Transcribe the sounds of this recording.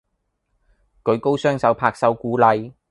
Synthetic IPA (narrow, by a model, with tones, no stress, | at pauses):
kɵ˨˧ɥko˥wsœː˥ŋsɐ˨˥wpʰaː˧k̚sɐ˨˥wkuː˨˥lɐ˨˧j